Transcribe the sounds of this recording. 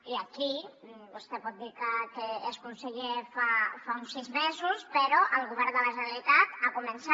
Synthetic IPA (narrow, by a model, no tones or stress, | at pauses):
iəkibust̪ɛpɔt̪̚d̪iɾkət̪eːskunsəʎefafaunsːizmezuspəɾɔʔəlˠɣuβɛɾd̪ələʒəəlit̪at̪akumənsa